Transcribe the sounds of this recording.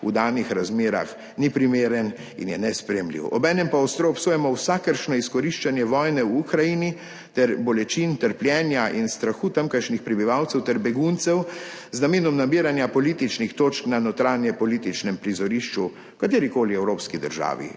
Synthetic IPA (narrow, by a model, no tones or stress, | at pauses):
ṵd̪aːnixɾazmeːɾa̰x | nipɾimeːɾən | ḭnjɛnɛspɾɛjɛmlḭːwɔ̰bɛːnɛmpaɔst̪ɾoɔpsoːjɛmɔwsakəɾʃnɔiskɔɾiʃt͡ʃanjɛʋɔːjnɛuukɾajini | t̪ɛɾbɔlɛt͡ʃint̪əɾpljɛːnjaʔinst̪ɾaxuːt̪amkəɾʃnixpɾɛbiʋawt̪sɛwt̪ɛɾbɛɡunt̪sɛwznameːnɔmnabiːɾanjapɔliːt̪it͡ʃnixt̪oːt͡ʃknanɔt̪ɾaːnjɛpɔlit̪it͡ʃnɛmpɾizɔɾiʃt͡ʃu | kat̪eːɾikoːliɛwɾoːpskid̪ə̰ɾʒa̰ːʋḭ